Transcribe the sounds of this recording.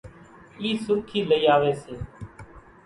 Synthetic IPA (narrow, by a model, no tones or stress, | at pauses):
iːsʊkʰiːləiːaːʋeːseː